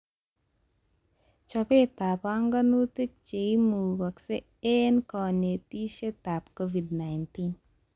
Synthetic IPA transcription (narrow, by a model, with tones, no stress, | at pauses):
t͡ʃɔpe˦t̪a˨paŋɡanut̪i˦k̚t͡ʃe˨imuː˨ɡɐkse | e˦nkɔ˨ne˨t̪i˦ʃe˦t̪a˨pkovi˨dna˨jnt̪in